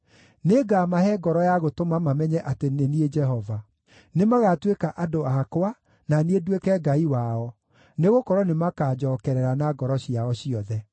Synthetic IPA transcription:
neɡamahɛɡɔɾɔjaɣotomamamɛɲɛʔatenenied͡ʒɛɦɔva | nemaɣatwekaʔadoakwa | naniedwekɛɡaiwaɔ | neɣokɔɾɔnemakaːd͡ʒɔːkɛɾɛɾanaɡɔɾɔɕiaɔɕiɔðɛ

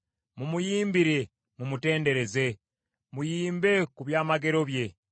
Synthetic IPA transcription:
mumujiːmbiɾe̞ | mumute̞ːnde̞ɾe̞ze̞ | mujiːmbe̞kuβjaːmaɡe̞ɾo̞βje̞

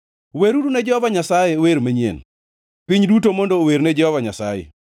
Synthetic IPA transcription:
weɾuɾunɛd͡ʒɛhɔvaɲasajɛweɾmeɲjḛn | pɪɲdutomondoweɾned͡ʒɛhɔvaɲasajɛ̰

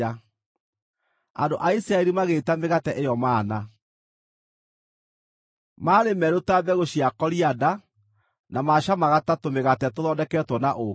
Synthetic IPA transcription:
a | a̰ndoʔaisɾaɛɾimaɣetameɣatɛʔejɔmaːna | maːɾemɛɾotabɛɣoɕiakɔɾiada | namaʃamaɣatatomeɣatɛtoðɔndɛkɛːtwɔnaʔo

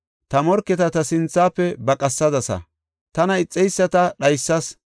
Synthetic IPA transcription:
t̪ɐmɔɾkːɛt̪ɐt̪ɐsɪnt͡sːaːpːɛbɐkʼɐsːɐd̪ɐsɐ̰ | t̪ɐnɐɪt͡sʼːɛjsːɐt̪ɐɗɐjsːɐs

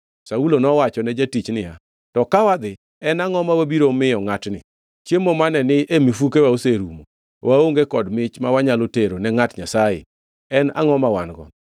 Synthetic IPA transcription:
saulonɔwat͡ʃɔnɛd͡ʒatit͡ʃnɪja̰ | tɔkawad̪ɪ | ɛnaŋɔmawabiɾomɪjɔŋatnɪ̰ | t͡ʃjemomanɛnɪʔemifukewaoseɾumo | wʔaoŋɡekɔdmɪt͡ʃmawaɲaloteɾonɛŋatɲasajɪ̰ | ɛna̰ŋɔmawanɡɔ̰n

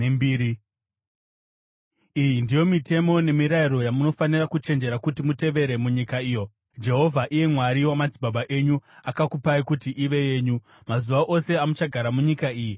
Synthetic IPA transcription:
mbiːɾi | ijindijo̞mite̞mo̞ne̞miɾaiɾo̞jamuno̞fanirakut͡ʃe̞nd͡ʒe̞ɾakutimute̞ʋe̞ɾe̞muɲikaiːjo̞ | d͡ʒe̞ɦo̞vʱaʔije̞mwaɾiwamad͡zibʱaɓaʔe̞ɲuakakupaikutiʔiʋe̞je̞ːɲu | mazuʋaʔo̞se̞amut͡ʃaɡʱaɾamuɲikaiːji

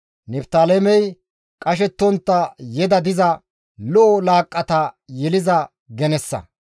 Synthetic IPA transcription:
nɛpt̪aːlemɛj | kʼɐʃ̬ɛt̪ːɔnt̪ːɐjɛd̪ɐd̪ɪzɐ | lɔʔːlaːkʼːɐt̪ɐjɛlɪzɐ | ɡɛnɛsːɐ̰

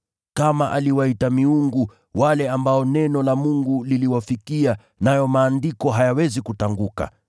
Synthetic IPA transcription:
kamaʔaliwaitamiuŋɡu | walɛambaɔnɛnɔlamuŋɡuliliwafikia | najɔmaːndikɔɦajawɛzikutaŋɡuka̰

